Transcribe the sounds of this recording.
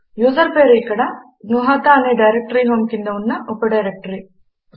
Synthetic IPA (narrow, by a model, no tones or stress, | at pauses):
juːsɐɾpeɾikːɐɽɐ | nuɦɐt̪aɐneɖɐjɾek̚ʈɐɾiɦoːmkind̪ɐunːɐʔopːɐɖɐjɾek̚ʈɐɾi